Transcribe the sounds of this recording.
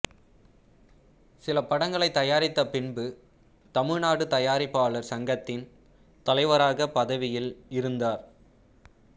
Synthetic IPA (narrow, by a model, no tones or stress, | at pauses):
sɪlɐpɐɽɐŋɡɐɭɐɪt̪ːɐjaːɾɪt̪ːɐpɪnbɯ | t̪ɐmɪɻnaːɽɯt̪ɐjaːɾɪpːaːɭɐɾsɐŋɡɐt̪ːɪn | t̪ɐlɐɪʋɐɾaːɣɐpɐðɐʋɪjɪlɪɾɯnd̪aːɾ